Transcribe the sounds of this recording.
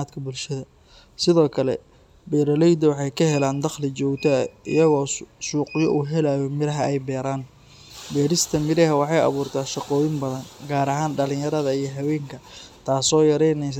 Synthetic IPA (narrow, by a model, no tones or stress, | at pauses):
aːd̪kʰɐbʊlʃɐðɐ | sɪðɔːkʰɐlɛ̰ | bɛːɾɐlɛjd̪ɐwɑħɑjkʰɐɦɛlaːnd̪ɑχlɪt͡ʃɔːɡt̪ʰɐʔɪ̰jɐɣɔːsuːqɪjɔ̰ʔuːɦɛlaːjɔmɪɾɐɦɐʔɛjbɛːɾaːn | bɛːɾɪst̪ʰɐmɪɾɛɦɐwɑħɑjɑ̰βuːrt̪ʰaːʃɑqɔːjɪnbɐðɐnɡaːɾɐɦaːnɖɐlɪ̃ŋjɐɾɐðɐijɞɦɐwɛːŋkʰɐt̪ʰaːsɔːjɐɾɛjnɛs